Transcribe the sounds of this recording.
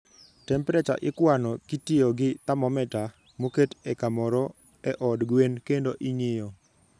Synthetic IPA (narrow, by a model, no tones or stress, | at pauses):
tɛmpɾɛt͡ʃa̰ʔɪkwanɔkitɪoɡɪt̪amɔmɛta | moketɛkamɔɾɔ | ɛʔɔdɡwenkendoʔiɲɪjɔ